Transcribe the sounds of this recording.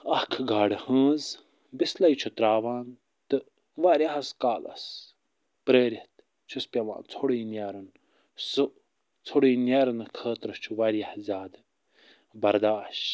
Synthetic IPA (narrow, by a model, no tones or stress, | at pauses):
ɐhkʰɡaːɽɨhə̃ːz | bislɐjt͡ʃʰut̪ɾaːʋaːn | t̪ɨ | ʋaːɾʲɐɦɐskaːlɐ̰s | pɾəːɾit̪ | t͡ʃʰuspʲɐʋa̰ːnt͡sʰoɽiːnjaːɾɐn | sɨ | t͡sʰoɽiːnjaːɾɐnɐkʰəːt̪ɾɐt͡ʃʰuʋaɾijɐhzʲjaːd̪ | bɐɾd̪aːʃ